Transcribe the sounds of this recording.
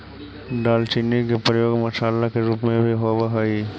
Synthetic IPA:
ɖalt͡ʃinːikepɾjoɡmaʃaːlːakeɾupmẽbʱiɦobaɦɔj

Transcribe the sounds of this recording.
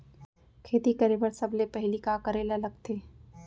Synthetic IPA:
kʰeːt̪ikɐɾeːbəɾsɐblepɛɦlikakɐɾeːlɐlɐɡt̪ʰeː

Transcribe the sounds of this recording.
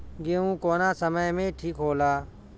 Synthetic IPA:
ɡeːũːkoːnaːsəməjmẽːʈʰiːkɦoːlaː

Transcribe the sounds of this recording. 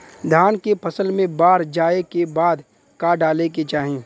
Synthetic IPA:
d̪ʱaːnkepʰɐsəlmẽbaːɾd͡ʒaːekebaːd̪ | kaːɖaːleket͡ʃaːɦẽː

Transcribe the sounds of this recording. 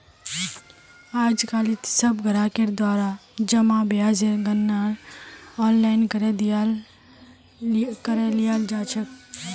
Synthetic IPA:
aːd͡ʒkaːlit̪səbɡəɾaːkeɾd̪waːɾad͡ʒəmãbjaːd͡ʒeɡənːaːɾɔːnlaːɪnkəɾed̪ | kəɾelijaːld͡ʒaːt͡ʃʰək

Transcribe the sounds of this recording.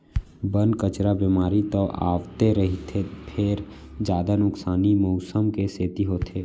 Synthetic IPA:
bənkət͡ʃɾabimaːɾit̪ɔːʔa̰ːʋt̪eɾɐɦit̪ʰepʰɪɾd͡ʒjaːd̪anʊksaːnimɔːsəmkeseːt̪iɦoːt̪ʰeː

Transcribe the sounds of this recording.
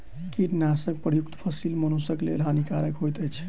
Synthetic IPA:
kiʈnasək̚pɾəjuk̚t̪pʰəsilmənosəklḛlɦanikaɾəkɦojt̪əjt͡ʃʰ

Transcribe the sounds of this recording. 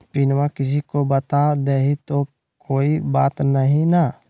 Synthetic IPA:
pɪnʋakɪs̬ikobət̪ad̪eːɦit̪o | koːibaːt̪nəɦĩna

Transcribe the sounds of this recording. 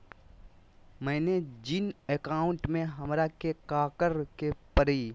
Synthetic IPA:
mɛ̃ːned͡ʒɪneːkaːʊ̃ɳʈmẽɦɐmɾakekaːkəɾkepəɾiː

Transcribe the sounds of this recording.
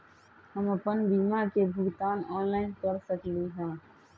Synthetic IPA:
həməpənbiːmakebʱʊɡt̪aːnɔːnlaːɪnkəɾsəkliɦɛ̃ː

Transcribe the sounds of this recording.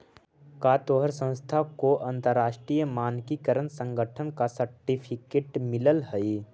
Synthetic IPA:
kaːt̪oːɦəɾsə̃ñst̪ʰakoʔɐ̃nt̪əɾːaːʃʈɾijəmaːnkikəɾənsə̃ŋɡəʈʰənkasəɾʈipʰɪkeːʈmɪləlɦəi

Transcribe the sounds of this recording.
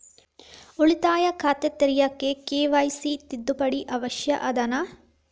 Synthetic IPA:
uɭit̪aːjɐkʰaːt̪et̪ɐɾijɐkːekeːʋɐjsit̪id̪ːupɐɽiʔɐʋɐʃjɐʔɐd̪ɐnɐ

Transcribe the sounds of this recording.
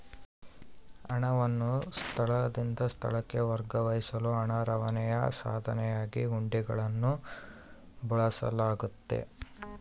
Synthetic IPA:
ɐɳɐʋɐnːust̪ʰɐɭɐd̪ind̪ɐst̪ʰɐ̰ɭɐkːe̞ʋɐɾɡɐʋɐjisɐluɐɳɐɾɐʋɐnɛjɐsa̰ːd̪ʱɐnɛjaːɡiɡuɳɖiɡɐɭɐnːu | bɐɭɐsɐ̰laːɡut̪ːe̞̰

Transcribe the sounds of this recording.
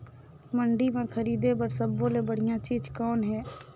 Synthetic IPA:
mə̃ɳɖimẽkʰəɾiːd̪ebəɾsəbːõlebəɽ̤ɪjãt͡ʃiːd͡ʒkɔːnɦɛː

